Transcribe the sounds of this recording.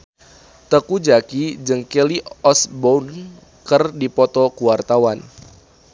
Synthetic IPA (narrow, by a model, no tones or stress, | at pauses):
t̪əkud͡ʒakid͡ʒɨŋkeliɔsbon | kərdipɔt̪ɔkuwart̪awan